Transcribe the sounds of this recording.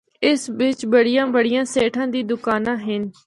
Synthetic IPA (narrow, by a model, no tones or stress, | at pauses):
ɪsʋɪt͡ʃbəɽɪjãːbəɽɪjãːseːʈʰãːd̪iːd̪ʊkaːnãːɦɪn